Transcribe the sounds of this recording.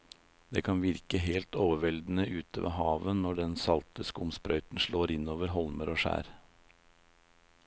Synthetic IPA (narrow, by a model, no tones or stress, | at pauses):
d̪eːkʰɑnʋɪɾkəɦeːlt̪oːʋəʋɛld̪n̩əʔʉːt̪ʰəʋʔḛːɦɑːʋənnːɔɖɛnsɑlt̪əskʊmspɾœʏt̪n̩ʂɭoːɾɪnoːʋəɾɦɔlməɾoːʂæ̰ːɾ